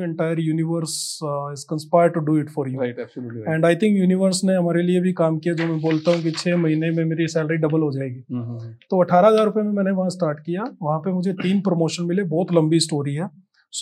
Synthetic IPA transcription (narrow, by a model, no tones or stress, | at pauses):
ɛ̃ɳʈaːɪəɾjuːnɪʋəɾsɪzkɐ̃nspaːɪɾɖ̚ʈuɖuːɪʈfɔːɾjuːɛ̃ːɳɖaːɪt̪ʰɪ̃ŋkjuːnɪʋəɾsneɦɐmaːɾeliebʱikaːmkijad͡ʒoːmɛ̃boːlt̪aɦũk̬it͡ʃʰɛːmɐɦiːnẽmẽmeːɾisɛːləɾiɖɐbəlɦod͡ʒaːeːɡiːt̪oːɐʈʰaːɾaɦɐzaːɾʊpemẽmɛ̃ːneʋɐɦãsʈaːɾʈkijaʋɐɦãpemʊd͡ʒʱet̪iːnpɾomoːʃənmɪlebɔːt̪lɐ̃mbisʈoːɾiɦɛː | s